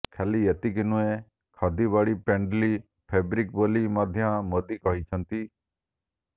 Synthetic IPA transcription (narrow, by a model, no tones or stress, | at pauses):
kʰɛlijɐt̪ikɪnʊ̃ẽ | kʰad̪ibaːɽipẽːɳɖliː | pʰeːbɾɪk̚boːlimaːd̪ʱjãmoːd̪iːkɔɦit͡ʃʰənt̪iː